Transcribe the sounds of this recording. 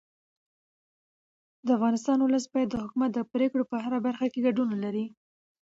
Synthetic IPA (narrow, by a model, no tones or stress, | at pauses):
d̪əafɣɑnɪst̪ɑnʊləs̬bɑjad̪ːəhʊkumat̪̚d̪əpɾekɽopəɦaɾabaɾxakeɡaɖunalaɾi